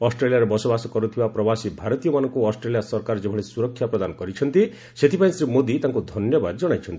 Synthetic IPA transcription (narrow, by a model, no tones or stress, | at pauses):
ɔsʈɾelijaɾɔbɔsɔbasɔkɔɾut̪ʰibapɾɔbasibʱaɾɔt̪ijɔmanɔŋkuɔsʈɾelijasɔɾkaɾɔd͡ʒebʱɔɭesuɾɔkʰːjapɾɔd̪anɔkɔɾit͡ʃʰɔnt̪i | set̪ʰipaĩsɾimod̪it̪aŋkud̪ʱɔnjɔbad̪ɔd͡ʒɔɽ̃ajt͡ʃʰɔnt̪i